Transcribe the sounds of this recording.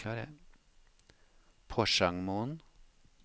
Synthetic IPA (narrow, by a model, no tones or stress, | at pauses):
ɑɾə | pʰɔʃɑŋmuːn